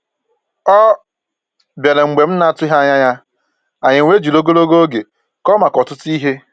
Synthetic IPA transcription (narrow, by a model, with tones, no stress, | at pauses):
ɔ˦ | bje˨le˨ŋ͡m̩˨ɡ͡be˨m̩˦na˦a˦tʊ˦ɦa˦ɲa˦ɲa˦ | a˨ɲɪ˨ŋʷe˦d͡ʒu˨lo˦ɡo˦lo˦ɡo˦ɡe˨ | kɔ˦ma˨kɔ˨tʊ˦ti˦ɦe˦